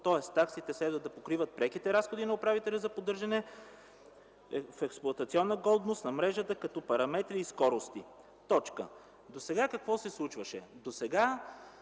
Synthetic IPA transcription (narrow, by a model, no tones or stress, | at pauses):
t̪ɔɛst̪ːaksit̪ɛslɛd̪vəd̪ɐpokɾivət̪̚pɾɛkit̪ɛɾasxod̪inɐʊpɾavit̪ɛlʲɐzɐpod̪ɤɾʒɐnɛ | fɛksplˠuɐt̪ɐt̪siɔnːəɡɔd̪nost̪nɐmɾɛʒət̪əkɐt̪ɔpɐɾɐmɛt̪ɾiːskɔɾost̪i | t̪ɔt͡ʃkə̰ | d̪osɛɡakɐkvɔsɛslˠut͡ʃvəʃɛd̪osɛɡa